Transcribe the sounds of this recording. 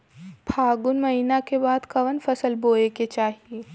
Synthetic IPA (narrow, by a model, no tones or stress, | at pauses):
bʱʰaːɡʊnmɐɦiːnakebaːd̪kɐʋənfɐsəlboːeket͡ʃaːɦieː